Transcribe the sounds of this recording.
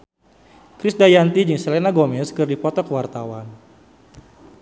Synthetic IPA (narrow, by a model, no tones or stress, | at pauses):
kɾɪsdajant̪id͡ʒɨŋsɛlenaɡomɛskɨrdipɔt̪ɔkəwart̪awan